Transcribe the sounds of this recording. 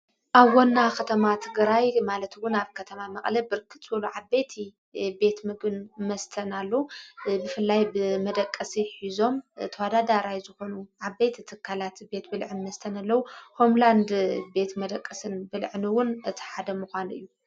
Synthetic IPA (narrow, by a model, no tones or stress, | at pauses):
ʔaβwonːakʰɐt̪ʰɐmat̪ʰɨɡɾajmalɐt̪wʊnaβkʰɐt̪ʰɐmamɐχʼlɐbɨɾɨkʰɨt͡sʼwɐluʕabet̪ʰi | be̞t̪mɨɡɨnmɐst̪ʰɐnalːɐwubɨfɨlːajbɨmɐd̪ɐkʼːɐsiħizo̞mt̪ʰɐwad̪ad̪aɾajzɨxo̞nuʕaβet̪ʰit̪ʰɨkʰːalat̪be̞t̪bɨlʕɨnmɐst̪ʰɐnalːɐwuho̞mland̪be̞t̪mɐd̪ɐkʼːɨsɨnbɨlʕniwʊnɨt̪ʰi̥ħad̪ɐmuxʷanʔɨ̰jːu